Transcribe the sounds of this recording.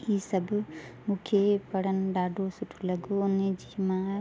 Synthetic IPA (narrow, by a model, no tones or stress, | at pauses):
iːsɐbmʊkʰjepɐɽənɖaːɖosʊʈʰlɐɡoʊned͡ʒimã